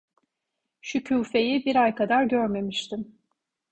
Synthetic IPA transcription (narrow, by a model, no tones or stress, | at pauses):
ʃycʰuːfe̞jibiɾajkʰad̪aɾɟøɾme̞miʃt̪ʰim